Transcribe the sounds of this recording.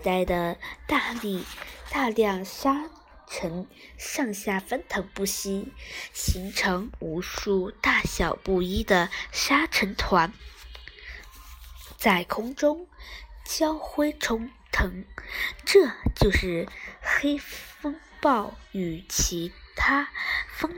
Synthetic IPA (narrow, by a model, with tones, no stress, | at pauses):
t̪a˥˩ɪd̪ə˩t̪a˥˧li˥˩t̪a˥˧ljɑ˥˩ŋʂa˥ | ʈ͡ʂʰə˧˥nʂɑ˥˧ŋɕja˥˩fə˥nt̪ʰɤ˧˥ŋpu˥˩ɕi˥ɕi˧˥ŋʈ͡ʂʰɤ˧˥ŋu˧˥ʂu˥˧t̪a˥˩ɕjɑ˨˩ʊpu˥˩i˥d̪ə˨ʂa˥ʈ͡ʂʰə˧˥nt̪ʰwa˧˥n | t͡sa˥˩ɪkʰʊ˥ŋʈ͡ʂʊ˥ŋt͡ɕjɑ˥ʊxwe˥ɪʈ͡ʂʰʊ˧˥ŋ | t̪ʰɤ˧˥ŋʈ͡ʂɤ˥˧t͡ɕjo˥˧ʊʂɻ̩˥˩xe˥ɪfɤ˥ŋ | pɑ˥˩ʊy˨˩t͡ɕʰi˧˥t̪ʰa˥fɤ˥ŋ